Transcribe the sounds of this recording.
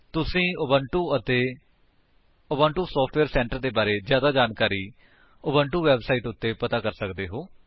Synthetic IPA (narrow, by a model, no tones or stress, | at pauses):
t̪ʊsĩːbəɳʈuːət̪eː | əbəɳʈuːsɔːpʰʈʋeːɾsɛ̃ːɳʈəɾd̪eːbaːɾeːzjaːd̪aːd͡ʒaːnkaːɾiː | ʊbəɳʈuːʋɛːbsaːiːʈʊt̪ːeːpət̪aːkəɾsəkd̪eːɦoː